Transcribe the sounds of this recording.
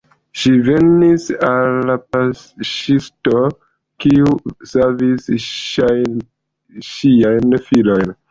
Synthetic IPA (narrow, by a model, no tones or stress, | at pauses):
ʃive̞nisalːapasʃisto | kiusavisa | ʃiajnfilo̞jn